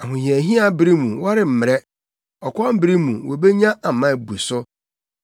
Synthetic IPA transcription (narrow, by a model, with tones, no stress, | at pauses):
a˨ɦʊ̃˨ji˨æ˨ɦĩ˦a˦bɪ˨ɾi˦mũ˨wa˦ɾɪ˨m̩˨mɪ˨ɾɛ˦ | ɔ˨kʰɔ˦a˦m̩˦bɾi˦mũ˨wo˨be˦ɲã˦a˨m̩˨mã˦˨bu˨e˨sʊ˦